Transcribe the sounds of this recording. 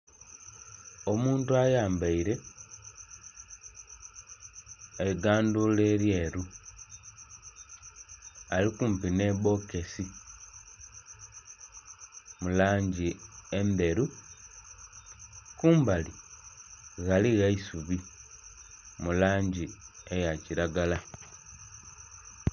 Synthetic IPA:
o̞muːntuajaːmbaiɾe̞ | eiɡaːnduleɾjeːɾu | alikuːmpine̞βo̞ke̞si | mulaːɲɟiembe̞ɾu | kuːmbali | ɣaliɣaisuβi | mulaːɲɟiejaciɾaɡala

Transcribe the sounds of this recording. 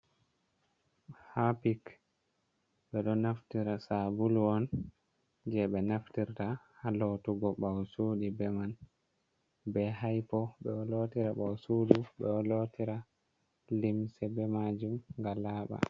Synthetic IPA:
hapik | ɓɛɗɔnaftiɾasabulwɔn | d͡ʒɛɓɛnaftiɾtahalotuɡɔɓawsuːɗibɛman | bɛɦajpɔɓɛɔlotiɾaɓawsuːduɓɛɔlotiɾa | limsɛbɛmad͡ʒumŋɡalaːɓa̰

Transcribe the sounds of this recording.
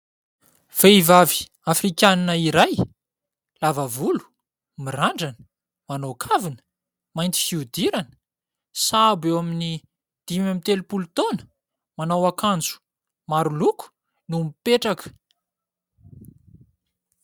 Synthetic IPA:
v̥eivavi̥ | afrikʲaninəiɾaj | lavavulu̥ | miraɳɖ͡ʐanə̥ | manokʰavinə̥ | majnt̪i̥fiud̪iɾanə̥ | sabewamini | d̪̥imamit̪elupulut̪onə̥ | manawakand͡zu̥ | maɾuluku̥ | numipeʈ͡ʂakə̥

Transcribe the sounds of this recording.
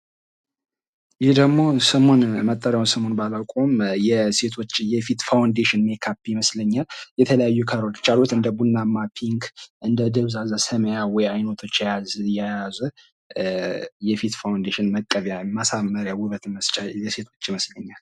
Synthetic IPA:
jɪhd̪əɡmo̞səmo̞nmət̪ʼːəɾjawnsəmo̞nbalawkʼo̞mjɛse̞t̪ʰo̞t͡ʃːjɛfit̪fawnd̪eʃɪnmekʰapːjməsləɲːaljɛt̪ʰələjajːukʰəɾolt͡ʃʼalot̪ɨnd̪əbunːamːapʰiŋkʔɨnd̪əd̪ɨβzazəsəməjawɔjajno̞t̪ʰo̞t͡ʃːjajazjajazu | jɛfit̪fawnd̪eʃɪnməkʼːəβjamasamːəɾjawʊβət̪məst͡ʃʼajɛse̞t̪ʰo̞t͡ʃːiməsləɲːal

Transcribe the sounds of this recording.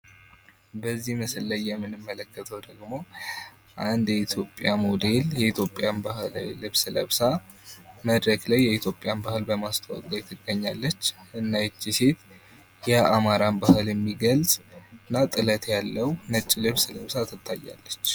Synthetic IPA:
bəzːihməsɨlːəjːɛmːɨnɨmːələkːət̪ʰəwd̪əɡmo̞ | ʔand̪jɛit̪ʰjo̞pʼːjamod̪e̞ljɛit̪ʰjo̞pʼːjanbahɨllɨβsləβsa | məd̪ɾəɡlajːɛit̪ʰjo̞pʼːɪjanbahɨlbəmast̪ʰəwa̰kʼlʼajt̪ʰɨɡːəɲːalːət͡ʃːɨnːajɛt͡ʃːise̞t̪ | jɛamaɾambahɨljɛmːiɡəlzʼɨnːat̪ʼɨlət̪jalːəwnət͡ʃʼːilɨβsləβsat̪ʰɨt̪ʰːajːa̰lːət͡ʃː

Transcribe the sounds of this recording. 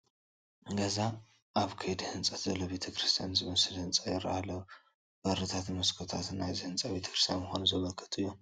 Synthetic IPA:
ɡɐza | ʔaβkʰɐjd̪ihɨnt͡sʼɐt̪zɐlːoβe̞t̪ʰɐkɾɨst̪ʰijanzɨmɐsɨlhɨnt͡sʼajɪɾɐʔalɐw | b̥ɐɾɨt̪ʰat̪mɐskʰot̪ʰat̪najzɨhɨnt͡sʼabe̞t̪ʰɐ̥kɾɨst̪ʰjanmɨxonuzɐβɐlkʰːɨ̥t̪ʼɨjːom

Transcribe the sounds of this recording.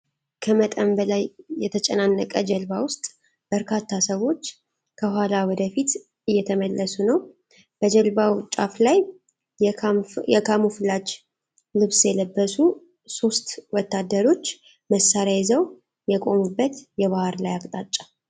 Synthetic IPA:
kʰəmət̪ʼəmbəlajːɛt̪ʰət͡ʃʼɛnanːəkʼəd͡ʒəlbawʊst̪ʼ | b̥əɾkʰat̪ʰːasəwo̞t͡ʃː | kʰəɦʷwalawɔd̪əfit̪ | ɨjːɛt̪ʰəməlːəsunəw | bəd͡ʒəlbawt͡ʃʼaflaj | jɛkʰamuflad͡ʒ | lɨβsjɛləbːəsu | so̞st̪wɔt̪ːad̪ːəɾo̞t͡ʃː | məsːaɾjajzəw | jɛkʼo̞mubːət̪jɛβahɾlajakʼt̪ʼat͡ʃʼːḁ

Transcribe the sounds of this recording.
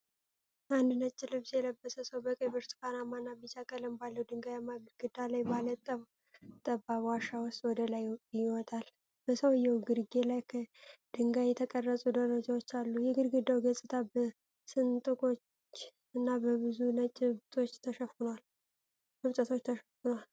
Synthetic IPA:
ʔand̪nət͡ʃʼːɪlɨβsjɛləbːəsəsəwbəkʼəjbɨɾt̪ɨ̥kanamanːabit͡ʃakʼələmbalːəwd̪ɨŋɡajamaɡɨɾɡɨd̪alajbalət̪ʼːəm | t̪ʼəbaβwaʃawʊst̪ʼwɔd̪əlajjɪwɔt̪ʼal | b̥əsəwɨjːɛwɡɨɾɡelajkʰəd̪̥ɨŋɡajɛt̪ʰəkʼərːəsʼud̪əlod͡ʒawot͡ʃːalːujɛɡɨɾɡɨd̪ːawɡəsʼɨt̪ʰabə | sɨnt̪ʼɨkʼo̞t͡ʃː | ɨnːabəβɨzunət͡ʃʼːɪβt̪ʰo̞t͡ʃːt̪ʰəʃəfunal | mɨβt͡ʃʼət̪ʰo̞t͡ʃːt̪ʰəʃəfunal

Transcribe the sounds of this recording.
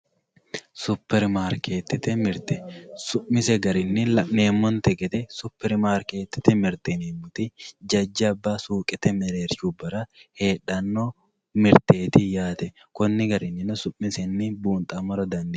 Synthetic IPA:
sʊpːɛɾmaːɾkeːt̪ːɪt̪ːɛmɪɾt̪ɛsʊʔmɪsɛɡɐɾɪnːɪlɐʔneːmːɔnt̪ɛɡʼɛt̪ɛsʊpːɛɾmaːɾke̞ːt̪ːɪ̥t̪ɛmɪɾt̪ɪneːmːʊt̪ɪd͡ʒɐd͡ʒːɐːbːaːsuːkʼɛt̪ɛmɛɾeːɾt͡ʃuːbɐɾɐheːᶑɐnːo | mɪɾt̪eːt̪ɪjaːt̪ɛ | kɔnːɪɡɐɾɪnːɪnɔsʊʔːɪsɛnːɪbuːnt̪ʼɐmːɔɾɐd̪ɐnd̪ɪ

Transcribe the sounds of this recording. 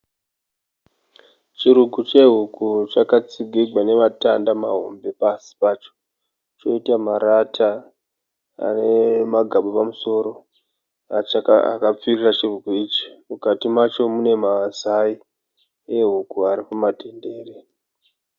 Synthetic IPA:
t͡ʃiɾukut͡ʃe̞ɦukut͡ʃakat͡siɡʱiɡʱwane̞ʋatandamaɦo̰mbe̞pasi̥pat͡ʃo̥ | t͡ʃo̞itamaɾatʰa | a̰ne̞maɡʱaɓopamuso̞ɾo̞ | at͡ʃaaa̰kap͡firirat͡ʃirukuiːt͡ʃi̥mukatimat͡ʃo̞mune̞mazai | eɦukuaɾikumatʰende̞ːre

